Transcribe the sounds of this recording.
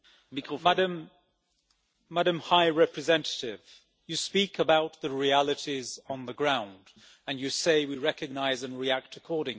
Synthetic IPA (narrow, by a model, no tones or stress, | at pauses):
də̃m | aɾə̃mhaɪɹɛpɹɨzɛ̃ntə̥tɪv̥ | jɨspikəbaʊt̪̚ðɨɹiælˠɨɾizn̩ðəɡɹãʊ̃nd | ɨ̃njɨseɪwiɹɛkɨɡ̚naɪzɨ̃nɹiæk̚tʰəkʰɔɹɾɪ̃ŋ